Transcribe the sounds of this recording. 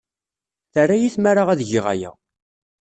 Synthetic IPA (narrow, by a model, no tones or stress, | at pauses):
θərːajiθmaɾaʁæðʝɪʁa̰jæ̰